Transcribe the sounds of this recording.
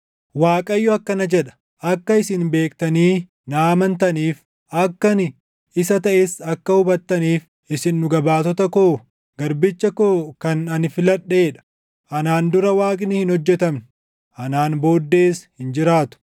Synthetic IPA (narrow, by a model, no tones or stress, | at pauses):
waːkʼɐjːʊɐkːɐnɐd͡ʒɛᶑɐ̥ | ʔɐkːɐɪsɪnbe̞ːk̚t̪ɐniː | naːmɐnt̪ɐniːf | ʔɐkːɐnɪ | ɪsɐt̪ɐʔeːsɐkːɐhʊbɐt̪ːɐniːf | ɪsɪnːʊɡɐbaːt̪ɔt̪ɐko̞ː | ɡɐɾbɪt͡ʃːɐkoːkɐnɐnfɪlɐɗːe̞ːᶑɐ̥ | ʔɐnaːnd̪ʊɾɐwaːkʼɪnɪhɪnhɔd͡ʒːɛt̪ɐmnʊ | ʔɐnaːnbo̞ːd̪ːe̞ːshɪnd͡ʒɪɾaːt̪ʊ̥